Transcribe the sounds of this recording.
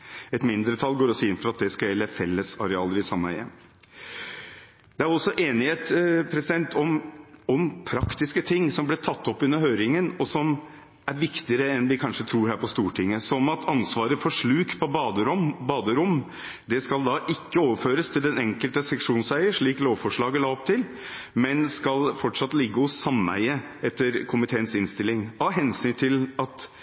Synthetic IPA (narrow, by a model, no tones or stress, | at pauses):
ɛt̪mɪnd̪ɾət̪ʰɑlːɡoːɾɔsɔɪnfɔɾɑt̪̚d̪ɛskɑljɛlːəfɛlːəsɑɾɛɑːləɾɪsɑmːəæ̰ɪɛ̰m | d̪̥ɛæɾɔsːɔʔeːnɪheːt̪pʰɾɛsɪd̪ɛnt̪ʰɔmɔmpʰɾɑkt̪ɪskət̪ʰɪŋːsɔmblɛt̪ʰɑt̪ːɔpːʉnːəɾhøːɾɪŋənɔsɔm | æɾʋɪkt̪ɪəɾəɛnʋɪkʰɑnʂət̪ʰɾuːɾhæːɾpɔst̪uːʈʰɪŋːəsɔmɑt̪ʰɑnsʋɑːɾəfɔʂɭʉːkpʰɔbɑd̪əɾʊmbɑːd̪əɾʊm | d̪ɛskɑld̪ɑʔɪkːəoːʋəføːɾəst̪ʰɪld̪ɛnɛŋkəlt̪əsɛkʂuːnsæɪəʂɭiːkloːʋfɔʂɭɑːɡəlɑːɔp̚t̪ʰɪl | mɛnskɑlfɔʈʂɑt̪ːlɪɡːəɔsɑmæ̰ɪəɛt̪ːəɾkʰʊmɪt̪ʰeːənsɪnst̪ɪlːɪŋɑɦɛnsyːnt̪ʰɪlɑt̪